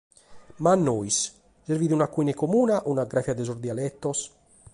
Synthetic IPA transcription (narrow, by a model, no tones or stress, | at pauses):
manːois | seɾviːðiunakːuinɛkomuːnaʔunaɡɾafjad̪ɛsɔɾd̪ialɛt̪ːɔs